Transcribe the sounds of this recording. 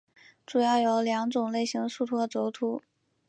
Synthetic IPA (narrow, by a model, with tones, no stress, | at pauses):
ʈ͡ʂu˨˩jɑ˥˩ʊjo˧˥ʊljɑ˧˥ŋʈ͡ʂʊ˨˩ŋle˥˩ɪɕi˧˥ŋʂu˥˧t̪ʰwɔ˥ə˧ʈ͡ʂo˧˥ʊt̪ʰu˧˥